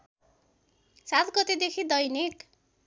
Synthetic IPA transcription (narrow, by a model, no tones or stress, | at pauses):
sat̪ɡʌt̪ed̪ekʰid̪ʌjnek